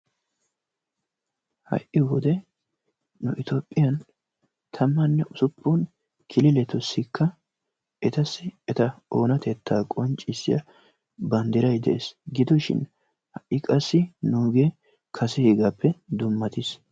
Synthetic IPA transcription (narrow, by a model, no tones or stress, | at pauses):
hɐ̰ʔɪwɔd̪ɛ | nʊʔɪt̪oːpʼːɪjɐn | t̪ʰɐmːɐnːɛʔʊsʊpʰːun | kʰɪlɪlɛt̪ʊsːɪkʰːɐ | ɛt̪ɐsːɪɛt̪ɐoːnɐt̪ɛt̪ːaːkʼɔnt͡ʃʼːɪsːɪ̰jɐ | bɐnd̪ɪɾɐjd̪ɛʔḛːsɡɪd̪ʊʃɪ̰n | hɐʔːɪkʼɐsːɪnuːɡe | kʰɐsɛheɡaːpːɛd̪ʊmːɐt̪ɪs